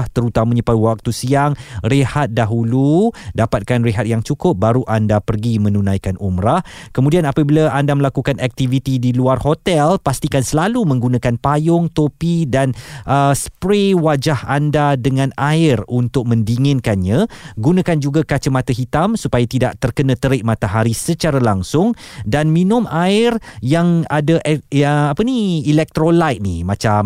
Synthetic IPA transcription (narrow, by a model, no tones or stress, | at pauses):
ht̪əɾut̪amãɲə̃paiwak̚t̪usiaŋrehat̪̚daɦuludapat̪̚kanreɦat̪̚jaŋt͡ʃukʊp̚baɾuʔandapərɡimə̃nũnãjkanumɾahkəmũdianapabilaandaməlakukanɛk̚t̪ivit̪idiluarhot̪ɛlpast̪ikansəlalumə̃ŋɡunãkanpajʊŋt̪opidanʔəspɾewad͡ʒahandadəŋãnaɪrunt̪ʊk̚mə̃ndiŋɪ̃nkanɲãɡunãkand͡ʒuɡakat͡ʃəmãt̪aɦit̪amsupajat̪ida̰ʔt̪ərkənãt̪əɾɪʔ̚mãt̪aɦaɾisət͡ʃaɾalaŋsʊŋdanmĩnʊ̃maɪrjaŋadaʔapəniilɛk̚t̪ɾolajt̪̚nḭmãt͡ʃam